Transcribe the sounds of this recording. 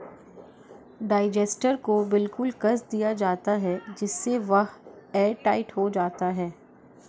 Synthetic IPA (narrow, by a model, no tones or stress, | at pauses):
ɖaːɪd͡ʒeːsʈəɾkobɪlkʊlkɐzd̪ijad͡ʒaːt̪aɦɛd͡ʒɪsːeʋɐɦɛːʈaːɪʈɦod͡ʒaːt̪aɦɛː